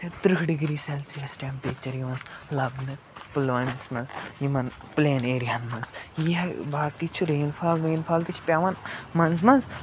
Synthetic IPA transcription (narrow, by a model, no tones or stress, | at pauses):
t̪et̪ɾɨkʰɖiɡɾiːsɐlsiɐsʈʲempeːt͡ʃɐɾjiʋɐnlɐbnɨ | pɨlʋɐnsmɐnzjimɐn | pleːneːɾjanmɐnzjibaːkit͡ʃʰuɾeːnfʰaːlɾeːnfʰaːlt̪it͡ʃʰpʲaʋɐnmɐnzmɐnz